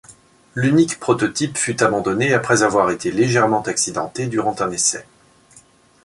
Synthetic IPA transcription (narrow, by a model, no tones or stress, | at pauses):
lynikpχɔt̪ɔt̪ipfyt̪abɑ̃d̪ɔneapχɛzavwaʁet̪eleʒɛʁmɑ̃t̪aksid̪ɑ̰̃t̪ed̪yʁɑ̃t̪ɛ̃nesɛ̰